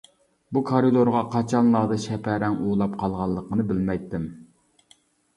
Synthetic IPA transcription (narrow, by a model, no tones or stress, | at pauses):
bukʰɑɾɨd̪oɾʁɑqʰɑt͡ʃʰɑnlˠɑːd̪ɑʃɛpʰæɾɛŋuːlˠɑpqʰɑlˠʁɑlˠːəqʰənɨbɪlmɛjt̪ʰːɪm